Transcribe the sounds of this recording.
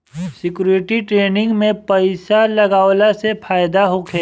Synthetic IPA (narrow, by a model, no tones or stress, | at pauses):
sɪkjuːɾɪʈiʈɾeːnɪ̃ŋɡmẽpɐɪsalɐɡaːwlasepʰaːjd̪aɦokʰeː